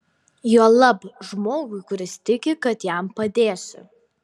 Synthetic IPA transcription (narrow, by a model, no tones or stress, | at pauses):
juɔlˠɐbʒmoːɡʊɪkʊɾʲɪst̪ʲɪkʲɪkɐt̪jæˑmpɐd̪ʲeːsʲɪ̰